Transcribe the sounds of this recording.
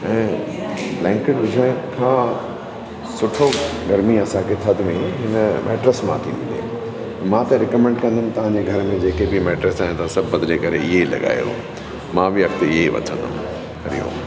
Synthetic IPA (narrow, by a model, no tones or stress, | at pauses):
ɛ̃ː | lɛ̃ːŋkɪɖʋɪd͡ʑʱaːɪkʰãː | sʊʈʰoɡɐɾmiɐsãkʰet̪ʰət̪mẽɦɪnəmʔɛ̰ːʈɾəsmãt̪ʰḭ̃ɪ̰̃nd̪ḛː | mãt̪ɐɾɪkəmɛ̃ɳɖkɐ̃nd̪əmɪ̆t̪ɐʋ̤ãɲd͡ʑeɡʱɐɾəmẽd͡ʑeːkebʱimɛːʈɾəsaːɦɪ̃nt̪ɐsɐbət̪d͡ʑeːkɐɾeɪɦelɐ̰ɠa̰ːjjõ̰ | mãbʱɪɐkt̪ɪɦeiʋɐ̰t̪ʰə̃nd̪ə̰m | kʰɐɾḭjõ̰ː